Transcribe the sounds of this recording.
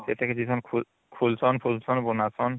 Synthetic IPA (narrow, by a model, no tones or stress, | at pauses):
tɛtɛkezisɔnkʰu | kʰulsɔnpʰulsɔnbunasɔn